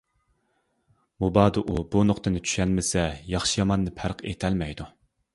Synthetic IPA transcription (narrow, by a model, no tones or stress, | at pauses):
mubɑːd̪ɨʔubunoqt̪ɨnɪt͡ʃʰy̥ʃɛnmɪsɛjɑχʃɨjɑmɑnːɨpʰæɾqʰḛt̪ʰɛlmɛjd̪u